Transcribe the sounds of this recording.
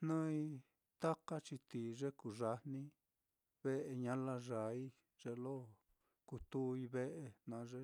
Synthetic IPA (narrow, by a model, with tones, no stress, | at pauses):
nã˦i˧ | t̪a˦ka˦t͡ʃi˧t̪i˨ʐe˦ku˨ʐa˧nnĩ˦ | βe˦ʔe˧ɲã˦la˦ʐa˨i˦ | ʐe˧lo˦ | ku˧t̪u˦˧i˧βe˦ʔe˧nã˧ʐe˦